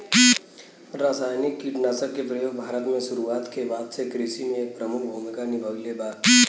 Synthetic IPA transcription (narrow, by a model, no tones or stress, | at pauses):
ɾaːsaːjnɪkːiʈnaːsəkːepɾəjoːɡ̚bʱaːɾət̪mẽʃʊɾuaːt̪kebaːd̪sekɾɪʃimẽeːk̚pɾəmʊk̚ʰbʱuːmɪkanɪbʱəʋlebaːd̪